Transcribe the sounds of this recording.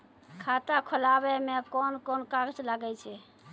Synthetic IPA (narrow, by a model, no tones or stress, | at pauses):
kʰat̪akʰolabɛmekɔnkɔnkakt͡ʃlaɡɛt͡ʃʰɛ